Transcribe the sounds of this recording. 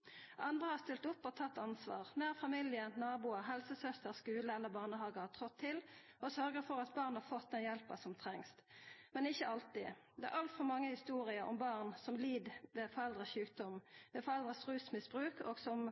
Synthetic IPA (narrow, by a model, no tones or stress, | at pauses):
ʔɑnd̪ʁəhɑst̪ɪlt̪ʊpːɔt̪ʰɑt̪ːɑnsʋɑ̰ːʁnæːʁfɑmiljənnɑːbuːəɦɛlsəsœst̪əʁskʉːləɛlːəʁbɑːʁnəɦɑːɡəhɑt̪ʰʁɔt̪ʰːɪl | ɔsœɾɡəɾfɔʁɑt̪̚bɑːʁnhɑɾfɔt̪̚d̪ɛnjɛlpəsɔmt̪ʰʁɛŋst̪mɛnɪçːəʔɑlt̪ɪd̪ɛæ̰ɾʔɑlt̪fɔɾmɑŋːəhɪst̪uːɾɪəɾʔɔ̰mbɑʁnsɔmliːd̪ʋeːfɔɾɛld̪ʁəɕʉːk̚d̪ɔmʋɛːfɔɾɛld̪ʁəsʁʉːsmɪsb̥ʁʉːkoːɡsɔm